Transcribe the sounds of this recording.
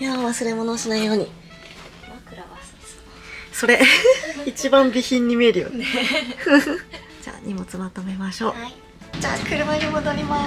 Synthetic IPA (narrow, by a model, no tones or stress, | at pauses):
jaβasɨɾe̞mo̞no̞ːsanaijo̞ːɲ̟i | akɯɾ | so̞ɾe̞it͡ɕibãmbʲiçĩɲːime̞ɾiɯ̰ne | d͡ʑa̰ːɲʔimo̞t͡sɨmat̪ome̞maɕo̞ː | d͡ʑaːkɯɾɯ̟maɡ̪emod̪oɾʲima